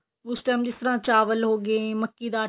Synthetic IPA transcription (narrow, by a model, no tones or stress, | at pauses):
ʊsʈɛːmd͡ʒɪst̪əɾãːt͡ʃaːʋəlɦoːɡeməkːiːd̪aː